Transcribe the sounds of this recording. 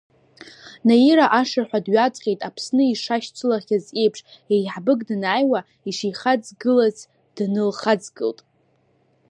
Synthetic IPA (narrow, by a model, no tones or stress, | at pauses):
najiɾaʔaʂarħʷᶣadɥat͡sʼqʲʼejtʼapʰsnɨiʂaʃt͡sʷʰʼɨlaχʲaze̞jpʰʂejħbɨɡʼdnaːjwa | iʂijχad͡zɡɨlaz | d̥nɨlχad͡zɡɨ̰ltʼ